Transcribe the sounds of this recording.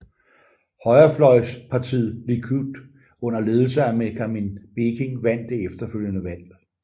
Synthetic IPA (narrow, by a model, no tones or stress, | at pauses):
hɒ̽ɪɐflɒ̽ɪspʰɑ̈t͡sʰḭð̰ˠlikʰyd̥ | ɔ̽n̰ɐle̝ːð̞ˠl̩sɐæmekʰæme̝nb̥e̝kʰe̝ŋʋæn̰d̥e̝efd̥ɐføl̰jənəʋæl̰